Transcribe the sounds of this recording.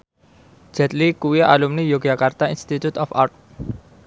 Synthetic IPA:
d͡ʒ̥ɛt̪likuwiʔa̰lumnijoɡ̥akart̪ainst̪it̪ut̪ɔfa̰rt̪̚

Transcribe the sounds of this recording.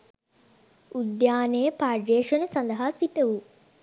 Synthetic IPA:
ud̪jaːnejəpaːɖɾeːʂənəsand̪ɐɦaːsiʈəʋu

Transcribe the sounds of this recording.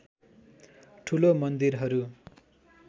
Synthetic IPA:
ʈʰulomʌnd̪irɦʌɾu

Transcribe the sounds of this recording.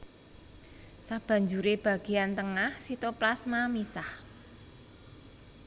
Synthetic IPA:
sab̥a̤ɲd͡ʒuɾeb̥a̤ɡ̥e̤ant̪əŋahsit̪oplasmamisah

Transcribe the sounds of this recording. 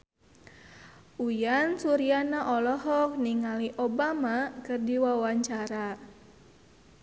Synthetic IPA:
ʔujansuɾianaʔɔlɔɦɔk̚niŋaliʔobamakərdiwawaɲt͡ʃaɾa

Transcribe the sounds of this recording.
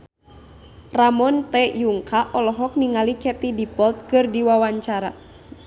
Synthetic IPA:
ramɔnt̪ɛjuŋkʰaʔɔlɔɦɔk̚niŋalikɛt̪idipɔlt̪̚kɨrdiwawaɲt͡ʃaɾa̰

